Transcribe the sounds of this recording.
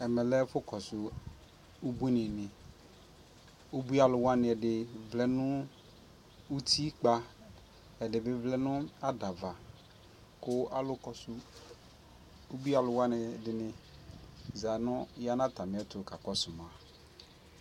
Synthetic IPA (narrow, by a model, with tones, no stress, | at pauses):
ɛ˨mɛ˨lɛ˦fʊ˦kʰɔ˨sʊ˨ | u˦bu˦nɪ̃˨nɪ̃˨ | o˦bu˦a˨lʊ˨wa˦nɪ̃˨ɛ˨dɪ˨vlɛ˦nʊ̃˦ | u˦tʰi˦k͡pa˦ | ɛ˨dɪ˨bɪ˦vlɛ˦nʊ̃˦a˦da˨va˨ | kʊ˦ʔa˦lʊ˦kɔ˨sʊ˦ | o˦bu˦a˨lʊ˨wa˦nɪ˨dɪ˨nɪ̃˨ | za˨nʊ̃˦ja˦nã˦ta˨mɪ̃˨˦ɛ˦tʊ˨ka˨kɔ˦sʊ˨mã˨